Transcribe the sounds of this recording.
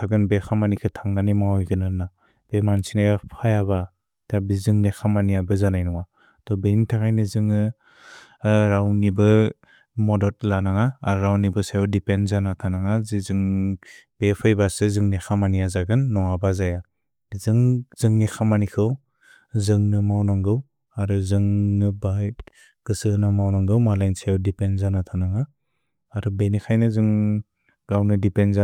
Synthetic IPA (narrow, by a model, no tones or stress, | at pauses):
tʰaɡɯnbekʰamanikʰɯtʰaŋnanimawɔjɡɯnɯna | b̥emansinajapʰajaba | tabizɯŋnexʰamaniabɯzanajnɔŋa | tɔbenitʰakʰajnɯzɯŋɯ | ɾawnibɯ | mɔdɔt̚lanaŋaːɾɾawnibɯsajɔdipenzanatʰanaŋazizɯŋ | b̥epʰɯjbasɯzɯŋnexʰamanijazaɡɯnːɔŋabazaja | zɯŋz̥ɯŋnexʰamanikʰɯw | zɯŋnɯmawnaŋɡɯw | aɾuzɯŋnɯba | ɡ̥ɯsɯnamawnaŋɡɯwmalajnsadipenzanatʰanaŋaː | ɾubenikʰajnɯzɯŋ | ɡawnɯdipenza